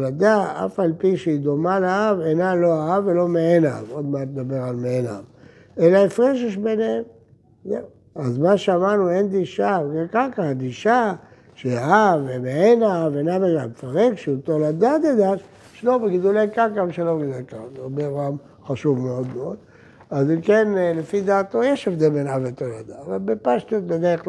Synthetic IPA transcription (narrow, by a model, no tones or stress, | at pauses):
tolad̪aa̰falpiʃeid̪omaleaavenalo̞aavelo̞meenaavo̞d̪mat̪ed̪abeʁalmeena̰v | elaefʁeʃ̬eʃ̬benehem | ze | azmaʃeamaʁnuend̪iʃaekakaad̪iʃa | ʃeaavemeenaavenavaɡamfaʁekʃeut̪olad̪ad̪ed̪aʃ | ʃelobeɡid̪ulekakamʃelobɡid̪ekakabeoam | χaʃuvmeo̞d̪meod̪ | azimkenlefid̪aːt̪ojeʃevd̪elbenavet̪olad̪aːvalbepaʃt̪ot̪̚bed̪eʁe